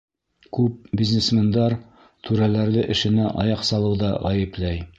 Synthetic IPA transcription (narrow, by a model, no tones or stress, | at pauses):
kʉp̚bʲiznesmʲend̪ɑɾ | t̪ʰʉɾælæɾðɘʔɘ̆ʃɘ̆næʔɑ̰jɑqsɑlˠɤwðɑʁæjɘ̆plæj